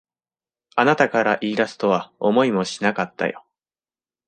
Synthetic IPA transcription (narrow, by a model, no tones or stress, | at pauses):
anat̪akaɾaʔiːɾasɨ̥t̪o̞βaomo̞imo̞ɕinakat̪ːa̰jo̞̰